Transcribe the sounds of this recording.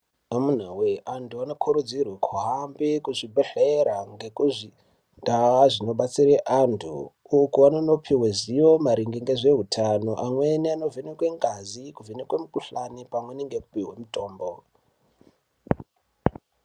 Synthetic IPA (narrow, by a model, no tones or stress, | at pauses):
amun̤aweʔantuano̞kʰuɾud͡zirwekʰuɦambikuʐibʱeɬeɾaŋɡe̞kuʐi | ndaaʐino̞ɓat͡siɾeʔantʰṵː | kuanono̞pʰiweziwo̞maɾiŋɡiŋɡeʐe̞ɦutʰanoʔamweniano̞vinekwe̞ŋɡazikuvinekwemukuɬanipamweniŋɡeku̥piwemuto̞ːmbo